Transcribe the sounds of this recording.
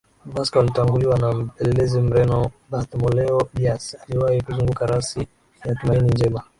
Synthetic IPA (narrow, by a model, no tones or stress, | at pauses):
vaskawalitaŋɡuliwanam̩pɛlɛlɛzɛm̩ɾɛnɔbatmɔlɛɔbiasaliwahikuzuŋɡukaɾasi | jatumainind͡ʒɛma